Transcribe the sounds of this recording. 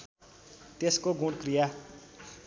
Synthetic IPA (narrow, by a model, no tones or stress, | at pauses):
t̪eskoɡũɽkrija